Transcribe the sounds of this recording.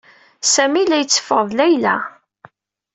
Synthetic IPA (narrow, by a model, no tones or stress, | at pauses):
sæmilæjət͡sːə̥fəʁðˤlæjlæ̰